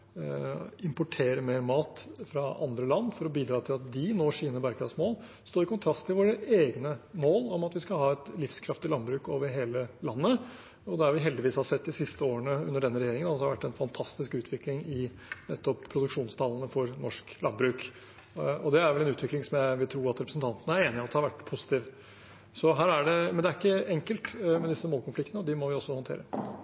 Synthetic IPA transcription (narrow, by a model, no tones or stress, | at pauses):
ɪmpʊʈʰeːɾəmeːɾmɑːt̪fɾɑɑ̰nd̪ɾəlɑnːfɔɾɔbiːd̪ɾɑːt̪ʰɪlɑt̪d̪ɪnoːʂiːnəbæɾɡɾɑsmoːl | st̪oːɾɪkʊnt̪ʰɾɑst̪ʰːɪlʋoːɾəeːɡnəmoːlɔmɑt̪ʋɪskɑhɑːɛt̪lɪfskʰɾɑft̪ɪlɑnbɾʉːkoːʋəɾɦeːləlɑnːə | ɔd̪ɛæɾʋɪɦɛld̪ɪʋiːshɑsɛt̪ːd̪ɪsɪst̪əoːəɳəʉ̰nːəɖɛnːəɾɛjeːɾɪŋənɑhɑɾʋæʈːɛnfɑnt̪ʰɑst̪ɪskʉːt̪ʰʋɪklɪŋɪ | nɛt̪ːɔppʰɾʊd̪ʉkʂuːnst̪ʰɑlənəfɔɾnɔʂklɑnbɾʉːk | ɔd̪ɛæɾʋɛlɛnʉːt̪ʋɪklɪŋsɔmjæɪʋɪlt̪ʰɾuːɾɑt̪ɾɛpɾəsn̩t̪ʰɑnt̪ənəæɾeːnɪɑt̪d̪əhɑɾʋæʈːpʰʊsɪ̥t̪iːʋ | sɔɦæːɾæɖɛmɛnd̪ɛæɾɪkːəɛŋkəlt̪mɛd̪ɪsːəmoːlkʰɔnflɪkt̪nəɔd̪ɪmɔʋɪɔsːɔhɔnt̪ʰḛːɾə